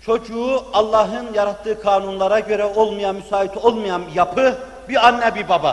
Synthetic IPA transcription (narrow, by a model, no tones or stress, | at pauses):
t͡ʃʰo̞d͡ʒuuɑlˠːɑɦɯnjaɾat̪ʰːɯːkʰaːnunlˠaɾaɟø̞ɾɛo̞lˠmɯjamysaːit̪ʰo̞lˠmɯjanjapʰɯ | biɾanːɛbiɾbaba